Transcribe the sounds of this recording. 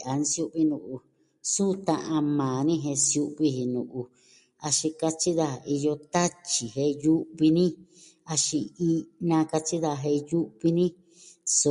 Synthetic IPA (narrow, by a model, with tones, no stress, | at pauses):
a˨n˧sju˦ʔβi˧nũ˧˨ʔu˧ | sũ˦˧t̪ã˧ʔã˧mãː˨nĩ˦ɦẽ˧sju˧˦ʔβi˧ɦi˧nṵ̃˨ʔu˧ | a˧ʃĩ˧ka˧t͡ʃi˦ða˦˧˨i˧jo˧t̪a˦t͡ʃi˨ɦe˧ju˦ʔβi˧nĩ˦ | a˧ʃi˧i˧nã˧ka˧t͡ʃi˦ða˧ɦe˧ju˦ʔβi˧nĩ˦ | so˧